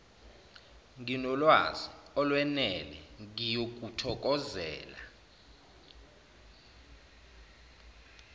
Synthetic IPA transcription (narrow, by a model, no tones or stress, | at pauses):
ŋinɔlwaziɔlwɛnɛlɛ̰ŋijok̬ʼutʰɔk̬ʼɔzɛ̰ːla